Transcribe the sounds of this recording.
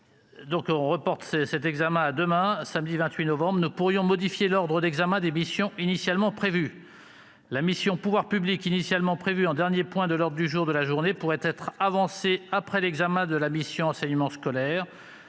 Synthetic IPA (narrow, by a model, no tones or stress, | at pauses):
d̪ɔ̃kɔ̃ʁəpɔʁt̪sɛsɛt̪ɛɡzamɛ̃ad̪əmɛ̃samd̪ivɛ̃t̪ɥinɔvɑ̃bʁnupuʁjɔ̃mɔd̪ifjelɔʁd̪ʁəd̪ɛɡzamɛ̃d̪emisjɔ̃inisjalmɑ̃pχevy | lamisjɔ̃puvwaʁpyblikinisjalmɑ̃pχevyɑ̃d̪ɛʁnjepwɛ̃d̪əlɔʁd̪ʁd̪yʒuʁd̪əlaʒuʁnepuʁɛt̪ɛt̪χavɑ̃seapχɛlɛɡzamɛ̃d̪əlamisjɔ̃ɑ̃sɛɲmɑ̃skɔlɛːʁ